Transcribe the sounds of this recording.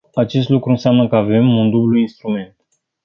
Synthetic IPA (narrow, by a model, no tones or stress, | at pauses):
at͡ʃe̞st̪lukɾuɨnseamnəkəave̞mund̪ubluinst̪ɾume̞nt̪